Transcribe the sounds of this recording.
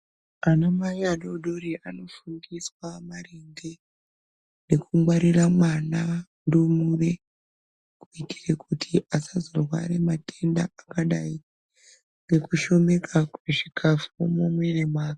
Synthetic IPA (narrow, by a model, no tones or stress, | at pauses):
anamajaɗo̞ɗoriʔano̞fuŋɡiswamareŋɡe̞ | ne̞kumwaɾiramwana | ndumure̞ | kuiti̥rekutʰiʔasazorwa̰ɾe̞matʰe̞ndaakaɗai | ŋɡe̞kuʃo̞me̞kʰakweʐikʰafumomwe̞ne̞maːka